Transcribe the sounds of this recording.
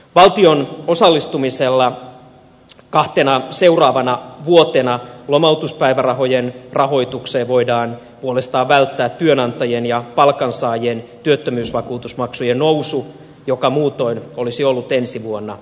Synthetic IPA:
ʋɑlt̪iono̞sɑlːist̪umiselːɑ | kɑht̪enɑse̞urɑːʋɑnɑʋuot̪enɑlomɑut̪uspæjʋærɑɦo̞jenrɑɦo̞ijt̪ukseːʋo̞idɑːn | puolest̪ɑːʋʋælt̪ːæːt̪tːyønɑnt̪ɑjenjɑpɑlkɑnsɑːjent̪yøt̪ːømyːsʋɑkuːt̪usmɑksujennowsu | jokɑmuːt̪o̞inolisiolːut̪ensiʋuonːɑ

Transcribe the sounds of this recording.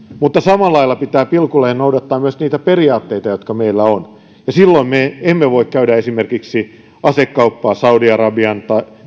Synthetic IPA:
mut̪ːɑsɑmɑlːɑilːɑpit̪æːpilkulehennoudɑt̪ːɑːmmyøsniːt̪æperiɑːt̪ːeit̪ɑjot̪kɑmeilːæon | jɑsilːoimmeemːeʋoikkæydæesimerkiksi | ɑsekːɑupːɑːsɑudiɑrɑbiɑnt̪ɑi

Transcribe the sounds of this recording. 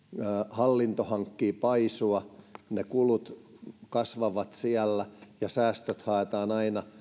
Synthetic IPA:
hɑlːint̪ohɑŋkːiːpɑisuɑnekulut̪kɑsʋɑʋɑt̪siælːæjɑsæːst̪øt̪hɑˑet̪ɑːnɑinɑ

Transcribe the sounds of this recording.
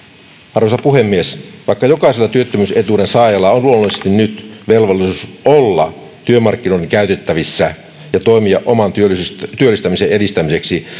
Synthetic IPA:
ʔɑrʋosɑpuɦe̞mːiesʋɑikːɑjo̞kɑiselːɑt̪yøt̪ːømyse̞t̪uːdensɑːjɑlːɑonluomːɑlisest̪innyt̪ʋe̞lʋolːˑisusʔolːɑ̰ | t̪yømɑrkːinoideŋkæyt̪et̪ːæʋisːæ | jɑt̪o̞imiɑʔʔomɑnt̪yøst̪yølːist̪æmisee̞ɾist̪æmise̞ksi

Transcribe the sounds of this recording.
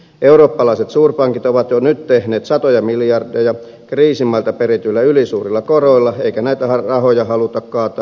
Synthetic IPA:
euroːpːɑlɑˑiset̪suːrpɑŋkit̪oʋɑt̪jonyt̪t̪ehneːt̪sɑt̪ojɑmiljɑrdejɑ | kriːsimːɑlt̪ɑperit̪yilːæylisuːrilːɑkoroilːɑeikænæit̪æhɑrɑhojɑhɑlut̪ɑkkɑːt̪ɑ

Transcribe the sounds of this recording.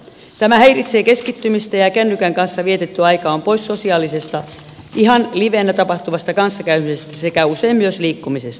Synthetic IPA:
t̪æmæheirit̪seːkeskit̪ːymist̪æjɑkænːykæŋkɑnsːɑʋiet̪et̪ːyɑijkɑːmpoissosiɑːlisest̪ɑ | ʔihɑnliʋenːæt̪ɑpɑht̪uʋɑst̪ɑkɑnsːɑkæymisest̪æsekæuseimmyøsliːkːumisest̪ɑ̥

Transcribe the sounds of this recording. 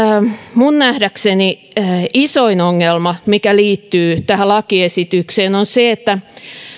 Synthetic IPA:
munnæhdækseniisoinoŋːelmɑmikæliːt̪ːyːt̪æhælɑkiesit̪ykseːnonseet̪ːæ

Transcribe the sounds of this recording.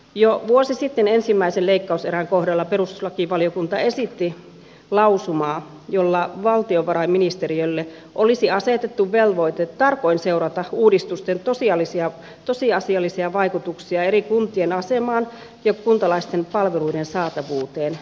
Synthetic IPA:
joʋuosisit̪ːenensimːæiseleikːɑuseɾæŋkohɾɑlːɑperust̪u̥slɑkiʋɑliokunt̪ɑesit̪ːi | lɑusumɑː | jolːɑʋɑlt̪ioʋɑɾɑiminist̪eriølːe | ʔolisiɑset̪et̪ːuʋʋelʋoit̪et̪tɑrkoinseuɾɑt̪ɑuːdist̪ust̪ent̪osiɑlːisiɑ | t̪osiɑsiɑlːisiɑʋɑikut̪uksiɑeɾikunt̪ienɑsemɑːn | jɑkunt̪ɑlɑist̪empɑlʋeluidensɑːt̪ɑʋuːt̪eːn

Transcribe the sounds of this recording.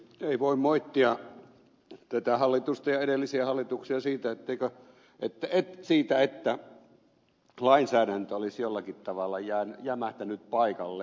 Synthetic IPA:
eˑiʋoˑimmoit̪ːiɑ | t̪æt̪æhɑlːit̪ust̪ɑjɑeɾelːisiæhɑlːit̪uksiɑsiːt̪æet̪ːeˑikø | et̪ːæet̪siːt̪æet̪ːæ | lɑinsæːɾænt̪øolisjolːɑkit̪t̪ɑʋɑlːɑjæːnjæmæht̪ænyt̪̚pɑikɑlːe

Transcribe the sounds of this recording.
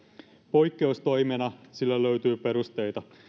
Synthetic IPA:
po̞jkːeust̪o̞jmenɑsilːæløɥt̪yːpe̞ɾust̪e̞jt̪ɑ

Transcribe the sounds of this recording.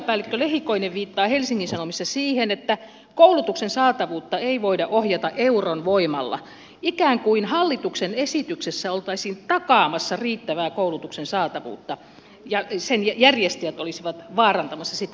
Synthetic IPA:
pæːlːekːølehikoineʋʋiːt̪ːɑːhelsiŋːinsɑnomist̪ɑsiːhenet̪ːæ | koulut̪uksensɑːt̪ɑʋuːt̪ːɑeiʋoidɑʔohjɑt̪ɑʔʔeuronʋoimɑlːɑ̰ | ikæːŋkuinhɑlːit̪uksenesit̪yksesːæolt̪ɑisiːnt̪ɑkɑːmɑsːɑriːt̪ːæʋæːkoulut̪uksensɑːt̪ɑʋṵːt̪ːɑ | jɑsenjjærjest̪iæt̪olisiʋɑt̪ʋɑːrɑnt̪ɑmɑsːɑsit̪ː

